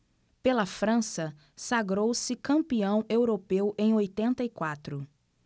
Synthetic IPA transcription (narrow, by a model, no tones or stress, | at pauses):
pelɐfɾɐ̃sɐ | saɡɾowsɪkɐ̃mpiɐ̃w̃ewɾopewʔẽj̃ojt̪ẽnt̪ɐikwat̪ɾʊ